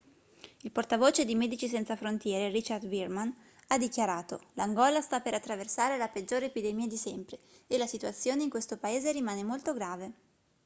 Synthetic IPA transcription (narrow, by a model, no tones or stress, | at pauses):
ilport̪avoːt͡ʃed̪imɛːd̪it͡ʃisɛnt̪safɾont̪jɛːɾerit͡ʃard̪virman | ad̪ːikjaɾaːt̪o̰laŋɡɔːlast̪apːeɾat̪ːɾaversaːɾelaped͡ʒːoːɾepid̪emiːad̪isɛmpɾeelasit̪uat̪sːjoːneiŋkwest̪opaeːzeɾimaːnemolt̪oɡɾaːve